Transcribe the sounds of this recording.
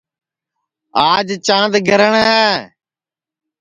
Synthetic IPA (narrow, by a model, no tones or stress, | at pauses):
aːd͡ʒt͡ʃãːnd̪ɡʱəɾəɳaː